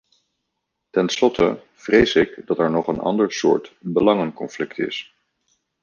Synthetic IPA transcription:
tɛnslɔtʰə̰ | v̥rejsɪkdɑtɛɹnɔχənɑ̰ndəɹsʊ̰ːɹtbəlɑŋənkɔnflɪktɪ̰s

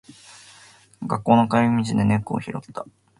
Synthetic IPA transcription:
ɡakːo̞ːno̞kaɾʲimʲit͡ɕid̪e̞ne̞kːo̰ːçiɾo̞̰t̪ːa

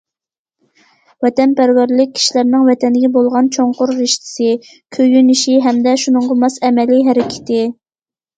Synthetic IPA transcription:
vɛt̪ɛnpæɾwæɾlɪk̚ʲʰːi̥ʃilæɾnɪŋvɛt̪ʰɛnɪɡʲɛbolˠʁɑnt͡ʃʰoɴqʊɾːɪʃt̪ʰɪ̥sɪ | kʲʰøjyniʃiɦɛmd̪ɛʃunɨɴʁɑmɑsɛmɛliɦɛɾɪkʲʰɪ̥t̪ɪ

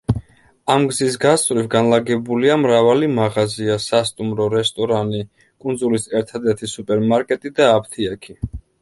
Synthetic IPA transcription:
amɡzis̬ɡast̪ʼvɾivɡanlaɡɛbuliamɾavalimaʁaziasast̪ʼumɾɔɾɛst̪ʼɔɾani | kʼund̪zulisɛɾt̪ʰad̪ɛɾt̪ʰisupʼɛɾmaɾkʼɛt̪ʼid̪aːp̚ʰt̪ʰiakʰi

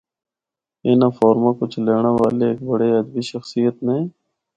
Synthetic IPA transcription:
ɪnãːfɔːɾmaːkʊt͡ʃʰleːɳaːʋaːleːk̚bəɽeːəd̪əbiːʃəxsijət̪mẽː

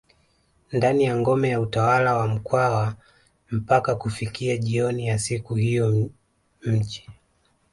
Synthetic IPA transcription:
ndanijaŋɡɔmɛjautawalawam̩kwawa | m̩pakakufikiaʄiɔnijasikuhijɔ | m̩t͡ʃi̥

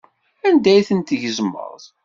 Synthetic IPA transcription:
ænd̪æjθənt̪əʝəzmːə̰ɾˤð

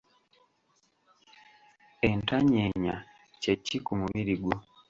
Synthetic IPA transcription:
entaɲeɲa̰ | cecikumuβiɾiɡwo

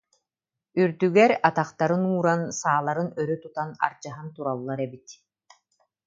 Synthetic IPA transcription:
yɾd̪yɡɛɾat̪aχt̪aɾɯnuːɾansaːlˠaɾɯnœɾyt̪ut̪ana̰ɾt͡ɕaɦant̪uɾalˠːaɾɛbit̪

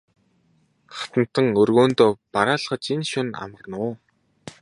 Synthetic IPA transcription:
χḁt̪ə̆n̥t̪ə̆ŋɵrɣoːnt̪oːpaɾaːɮχə̆t͡ɕinʃʊna̰mə̆rnʊː

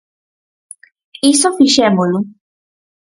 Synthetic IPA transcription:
isɔfiʃɛmolu

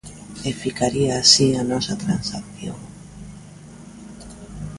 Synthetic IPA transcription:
efikaɾiaːsianɔsat̪ɾansakθjo̰ŋ

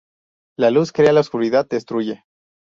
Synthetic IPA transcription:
laluskɾealaoskuɾiðad̪̚d̪e̞st̪ɾuʝe̞

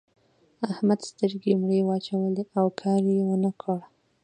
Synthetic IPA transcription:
ahmad̪st̪əɾɡemɽewɑt͡ʃawəleawkʰɑɾjewənəkʰəɽ

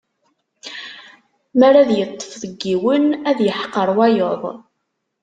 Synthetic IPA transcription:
mæɾæðjət̪ˤːə̥fðəɡːiwənæðjəħqːəɾˤwæjoðˤ

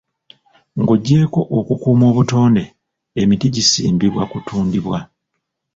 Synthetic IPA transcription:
ŋɡoɟːe̞ːko̞ʔokukuːmo̞ːβuto̞ːnde̞ | emitiɟisiːmbiβwakutʰuːndiβwa

